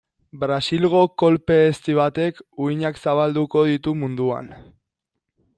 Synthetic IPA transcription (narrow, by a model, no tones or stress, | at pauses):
bɾasilɣo̞ko̞lpe̞ːst̪iβat̪e̞kuiɲaksaβald̪uko̞ð̞it̪umund̪ua̰n